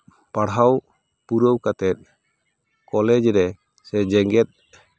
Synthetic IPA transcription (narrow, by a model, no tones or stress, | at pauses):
paɽɦaw | puɾəwkat̪ɛt̪̚ | kɔlɛd͡ʒɾɛ | sɛd͡ʒɛŋɡɛt̪̚